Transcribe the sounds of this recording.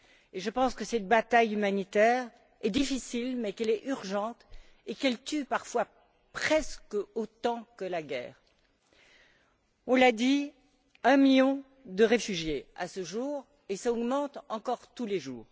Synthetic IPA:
eʒəpɑ̃skəsɛt̪̚bat̪ajymanit̪ɛʁ | ɛd̪ifisilmɛkɛlɛʔyʁʒɑ̃t̪ekɛlt̪ypaʁfwa | pχɛskot̪ɑ̃kəlaɡʲɛ̰ːʁ | ɔ̃lad̪i | ɛ̃miljɔ̃ | d̪əʁefyʒjea̰səʒuːʁ | esaɔɡmɑ̃t̪ɑ̃kɔʁt̪uleʒuːʁ

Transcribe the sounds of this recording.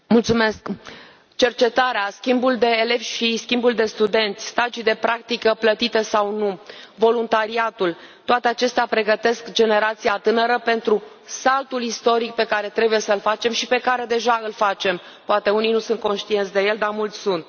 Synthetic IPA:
mult̪sume̞sk | t͡ʃe̞rt͡ʃe̞t̪aɾeaskʲimbuld̪e̞ːle̞vʃiskʲimbuld̪e̞st̪ud̪e̞nt̪sʲst̪ad͡ʒid̪e̞pɾʔak̚t̪ikəplət̪it̪e̞sawnuvo̞lunt̪aɾiat̪ul | t̪oat̪eat͡ʃe̞st̪eapɾe̞ɡət̪e̞skd͡ʒe̞ne̞ɾat̪siat̪ɨnəɾəpe̞nt̪ɾu | salt̪ulist̪o̞ɾik̚pe̞kaɾe̞t̪ɾe̞buje̞səlfat͡ʃe̞mʃipe̞kaɾe̞d̪e̞ʒaɨlfat͡ʃe̞m | poat̪e̞unijnusunt̪̚ko̞nʃt̪ient̪sʲd̪e̞je̞ld̪amult̪sʲsunt̪̚

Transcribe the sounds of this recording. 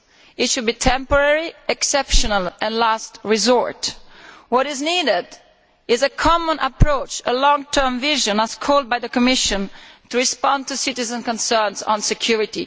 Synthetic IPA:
ɪtʃud̚bitʰɛ̃mpɔɹɛɹiɛksɛpʃɔnalɛ̃nlastɹizɔɹtwɔɾɪznidɪd | ɪzəkʰɔmə̃nʔə̰pʰɹoʊt͡ʃəlɔ̃ŋt̪ʰɜ˞mvɪʒə̃nəz̥kʰɔlˠd̚bajðəkɔmɪʃə̃ntuɹispɔ̃ndt̪usɪtɪzə̃nkɔ̃nsɜːnzɔ̰̃nsɛkʰjuɹiti

